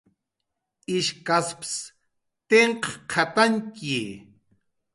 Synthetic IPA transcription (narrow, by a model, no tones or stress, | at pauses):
iʃkasps | t̪eɴqqʰat̪aŋki